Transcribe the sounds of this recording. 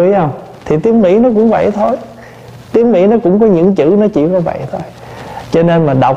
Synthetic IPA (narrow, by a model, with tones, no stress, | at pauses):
jhə˧wŋ͡m | t̪ʰi˨˩t̪i˨˦əŋmḭ˧˥nɔ˨˦kʊ̰˧˥ŋ͡mvə̰˧˩jt̪ʰo˧j | t̪i˨˦əmmḭ˧˥nɔ˨˦kʊ̰˧˥wŋ͡mkɔ˨˦ɲɨ̰˧˥ŋt͡ɕɨ̰˧˥nɔ˨˦t͡ɕḭ˧˩kɔ˨˦və̰˧˨jt̪ʰo˧j | t͡ɕɔ˧ne˧nmaː˨˩ɗa˨˩w